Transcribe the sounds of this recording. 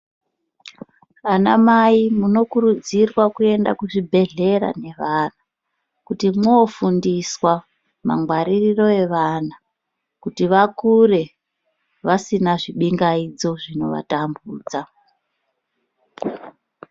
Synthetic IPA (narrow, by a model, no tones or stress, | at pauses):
anamaimuno̞kuɾud͡zirwakue̞ndakuʐibʱe̞ɮe̞ɾa̰ne̞ʋana | kutimoːfundiswa | ma̰ŋɡwaɾiriro̞e̞ʋana | kutiʋakure̞ | ʋasinaʐiɓiŋɡaid͡zo̞ʐino̞ʋa̰tambuːd͡za